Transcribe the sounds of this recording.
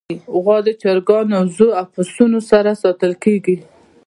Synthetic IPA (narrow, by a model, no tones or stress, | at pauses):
ɣɑd̪ət͡ʃaɾɡɑnawzoafasunosaɾasɑt̪əlkeɡi